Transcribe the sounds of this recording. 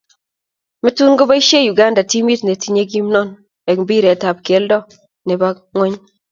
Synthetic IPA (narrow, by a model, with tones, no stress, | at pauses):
mɪ˦tu˦nɡo˦ba˦i˦ʃe˦ju˨ɡa˦nda˨ti˦mi˦tne˨ti˦ɲe˦ɡi˦mnɔ˦˨n | e˨kbi˦ɾe˨ta˨p̚kje˨˦ldɔ˦ | ne˨ba˦ | ŋwe˦ɲ